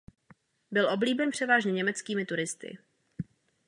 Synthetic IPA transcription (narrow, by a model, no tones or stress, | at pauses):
bɪlʔo̞bliːbɛnpr̝̥ɛvaːʒɲɛɲɛmɛt͡skiːmɪt̪uɾɪst̪ɪ̰